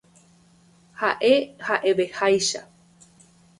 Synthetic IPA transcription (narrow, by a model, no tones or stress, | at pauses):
haʔehaʔe̞ʋe̞hajʃa̰